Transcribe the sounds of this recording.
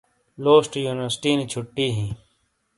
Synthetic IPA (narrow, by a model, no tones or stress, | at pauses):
loːsʈjuːnɪʋəɾsʈiːnit͡ɕʰʊʈːiːɦĩː